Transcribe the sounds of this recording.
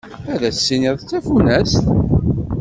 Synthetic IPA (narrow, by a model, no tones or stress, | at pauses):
æðæsːiniðˤθt͡sːæfunæst̪